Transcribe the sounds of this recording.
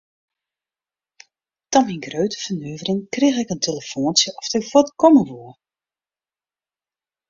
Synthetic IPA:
tɔminɡrøɥtə̥fənyːvərɪŋkrɪxɛkəntʰeləfoːnsjəʔɔftɛkfɔtkɔməʋuə

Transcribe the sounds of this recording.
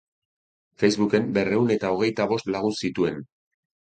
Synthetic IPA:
fe̞jzβuke̞mbe̞re̞une̞t̪ao̞ɣ̞e̞jt̪aβo̞st̪laɣ̞unsit̪ue̞n

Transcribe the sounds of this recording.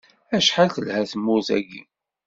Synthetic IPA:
æʃħalθəlhæθəmːʊθæ̰ɡḭ

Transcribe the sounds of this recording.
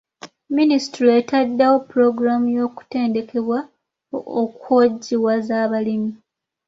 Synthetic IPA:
minisi̥tɾietadːawo̞puɾo̞ɡuɾamujo̞ːku̥te̞ːnde̞kʰe̞βwa | okoɟːiwazaːβalimi

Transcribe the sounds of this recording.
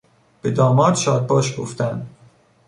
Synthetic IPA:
b̥ed̪ɒːmɒːɾd̪̥ʃɒːd̪̚bɒːʃɡo̰ft̪ænd̪̥

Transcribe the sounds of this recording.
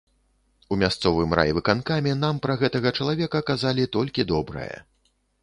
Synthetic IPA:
umʲast̪sɔvɨmra̰jvɨkankamʲɛnampɾɐɣɛt̪ɐɣɐt͡ʂɐlˠavʲɛkɐkazalʲit̪ɔlʲkʲid̪ɔbɾɨ̰jɐ̰

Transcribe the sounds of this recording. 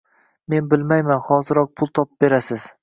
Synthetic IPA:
me̞nbɪlmajmanχɒzɪɾɒq̚pʰʊlˠt̪ʰɒp̚b̥e̞ɾasɪz̥

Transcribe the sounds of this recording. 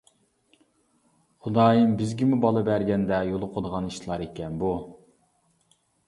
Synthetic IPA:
χʊd̪ɑːjɨmbɪzɡʲimubɑlˠɨbæɾɡʲɛnd̪ɛjolˠʊqʰod̪əʁɑniʃlˠɑɾekʲɛnbu

